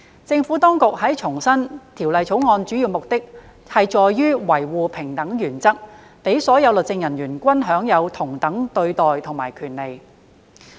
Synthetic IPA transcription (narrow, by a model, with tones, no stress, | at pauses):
t͡sɪ˧ŋfu˨˥t̪ɔː˥ŋkʊ˨k̚hɐ˨˥jt͡ʃʰʊ˨˩ŋsɐ˥nt̪ʰiː˨˩wlɐ˨jt͡sʰo˨˥wŋɔː˧nt͡ʃyː˨˥ji˨˧wmʊ˨k̚t̪ɪ˥k̚ | hɐ˨jt͡ʃɔː˨jːyː˥wɐ˨˩jwuː˨pʰɪ˨˩ŋt̪ɐ˨˥ŋjyː˨˩nt͡sɐ˥k̚ | pe˨˥jsɔː˨˥jɐ˨˧wlɵ˨t̚t͡sɪ˧ŋjɐ˨˩njyː˨˩nkʷɐ˥nɦœː˨˥ŋjɐ˨˧wt̪ʰʊ˨˩ŋt̪ɐ˨˥ŋt̪ɵ˧ɥt̪ɔː˨jt̪ʰʊ˨˩ŋmaː˨˩jkʰyː˨˩nle˨j